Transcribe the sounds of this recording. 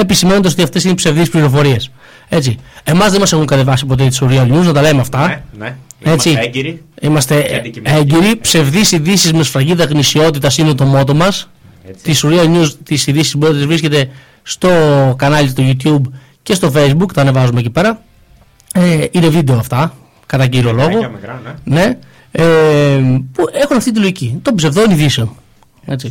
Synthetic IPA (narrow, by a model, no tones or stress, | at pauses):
episimend̪es̬ot̪iɐft̪e̞sinipse̞vðispliɾo̞fo̞ɾie̞s | e̞t͡sie̞mɐzðenmɐse̞xuŋkɐt̪evɐsipot̪et̪i̥suɾiɐlɲuznɐt̪ɐlemeɐft̪ɐ | e̞t͡siɾimɐst̪eeɲɟeɾipse̞vðisiðisizmesfɾɐʝiðɐɣnisio̞t̪̬it̪ɐsinet̪o̞mo̞t̪o̞mɐs | t̪isuɾiɐlɲust̪isiðisisbot̪izvɾisce̞t̪e̞ | st̪o̞kɐnɐlst̪oʝut̪çub | ce̞st̪o̞fe̞jzbukt̪ɐne̞vɐzumeecipe̞ɾɐ | eine̞vid̪eoɐft̪ɐ | kɐt̪ɐciɾiolo̞ɣo̞ne̞ | e | pue̞xunɐft̪it̪̬ilo̞ʝicit̪o̞psevðoiniðisio | e̞t͡si